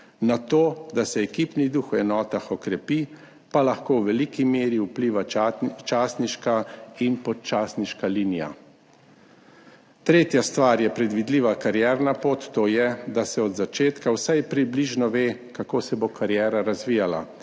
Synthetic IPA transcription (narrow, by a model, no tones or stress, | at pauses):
nat̪oːd̪asɛɛkiːpnid̪uxwɛnɔːt̪axɔkɾɛpi | palaxkowʋɛlikimeːɾiupliːʋaat͡ʃaːsniʃkainpɔt͡ʃaːsniʃkalinija̰ | t̪ɾeːt̪jast̪ʋaːɾjɛpɾɛd̪ʋid̪liːʋakaɾjɛːɾnapoːt̪ːoːjɛd̪asɛɔd̪zat͡ʃeːt̪kawsajpɾibliʒnɔʋeːkakoːsɛbokʰaɾjɛːɾaɾazʋijala̰